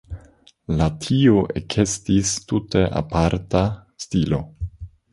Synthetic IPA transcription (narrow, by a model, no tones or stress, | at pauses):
latʰioʔekʰe̞stistute̞ʔa̰paɾtastilo̞